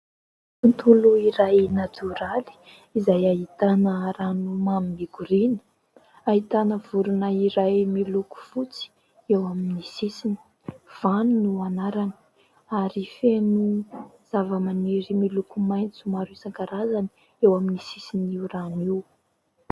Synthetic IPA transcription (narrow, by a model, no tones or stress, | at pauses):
unt̪uluiɾajnat̪ʰuɾali̥ | izajaɦit̪anəɾanumaminiɡuɾinə̥ | aɦit̪anəv̥uɾunəiɾajmiluku̥fut͡si̥ | ewaminisisini̥ | v̥anunuanaɾanə̥ | aɾifenuz̥avəmaniɾimilukumajnt͡sumaɾisaŋkaɾazani | ewaminisisiniuraniw